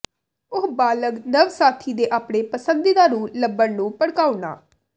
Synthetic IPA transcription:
ʊɦbaːləɡnəʋsaːt̪ʰiːd̪eːʔaːpɳeːpəsənd̪iːd̪aːɾuːləbːəɽnũːpəɽkaːuɳa̰ː

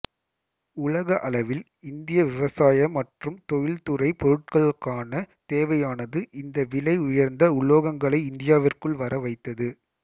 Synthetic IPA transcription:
ʊɭɐɣɐʔɐɭɐʋɪl | ɪnd̪ɪjɐʋɪʋɐsaːjɐmɐʈrɯmt̪ɔjɪlt̪ʊɾɐɪpɔɾɯʈ̚kɐɭkːaːnɐ | t̪eːʋɐjaːnɐðɯʔɪnd̪ɐʋɪlɐɪʊjɐɾnd̪ɐʊɭːoːɣɐŋɡɐɭɐɪɪnd̪ɪjaːʋɪrkɯɭʋɐɾɐʋɐɪt̪ːɐðɯ

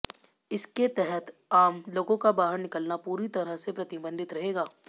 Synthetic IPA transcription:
ɪsket̪ɛɦɛt̪aːmloːɡõkabaːɦəɾnɪkəlnapuːɾit̪ɐɾəɦsepɾɐt̪ɪbə̃nd̪ʱɪt̪ɾɐɦeːɡaː

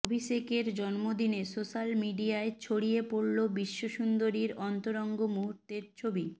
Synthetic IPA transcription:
obʱiʃekeɾd͡ʑɔnmod̪inesoʃalmiɖiaet͡ɕʰoɽiepoɽlobiʃːoʃund̪oɾiɾɔnt̪oɾɔŋɡomuɦuɾt̪eɾt͡ɕʰobi

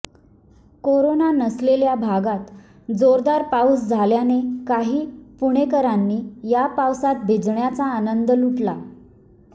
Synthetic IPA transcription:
koɾonanəsleljabʱaɡat̪ | d͡zoɾd̪aɾpawsd͡zʱaljanekaɦiːpuɳ̃ekəɾanːiːjapawsat̪̚bʱed͡zɳjat͡saːnənd̪əluʈla

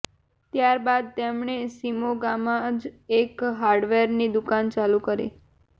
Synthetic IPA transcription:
t̪jaɾbad̪̚t̪emɳesimoɡamãd͡ʒekɦaɾɖʋeɾnid̪ukant͡ʃalukəɾḭ

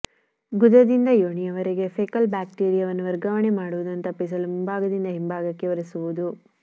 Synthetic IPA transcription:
ɡud̪ɐd̪ind̪ɐjoːɳijɐʋɐɾeɡe̞pʰeːkɐlbaːk̚ʈeːɾijɐʋɐnːuʋɐɾɡɐʋɐɳe̞maːɽuʋud̪ɐnt̪ɐpːis̬ɐlumumbʱaːɡɐd̪ind̪ɐɦimbaːɡɐkːeʋɐɾesuʋud̪u

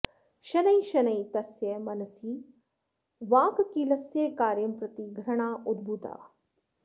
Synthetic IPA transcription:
ʃɐnɐjʃɐnɐjt̪ɐsjemɐnɐsiː | ʋaːkkiːlɐsjeːkaːɾjɐmpɾɐt̪iɡʱɾɐɳ̃aːʔud̪̚bʱut̪a̰ː

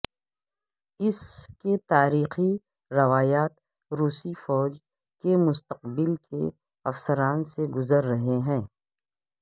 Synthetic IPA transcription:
ɪsket̪aːɾiːxi | ɾɐʋaːjaːt̪̚ | ɾuːsifɔːd͡ʒ | kemʊst̪əq̚bɪlkʰḛ | ɐfsəɾaːnseɡʊzəɾːɐɦeɦɛ̃ː

